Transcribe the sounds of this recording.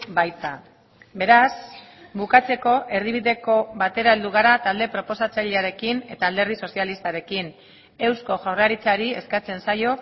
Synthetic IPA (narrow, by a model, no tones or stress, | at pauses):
bajt̪a | be̞ɾasbukat͡se̞ko̞ʔe̞rðiβ̞iðe̞ko̞βat̪e̞ɾaeld̪uɣ̞aɾat̪ald̪e̞pɾo̞po̞sat͡saʎeaɾe̞kine̞t̪aːld̪e̞rðiso̞sialist̪aɾe̞kin | e̞wsko̞ʝawraɾit͡saɾie̞skat͡se̞nsajo̞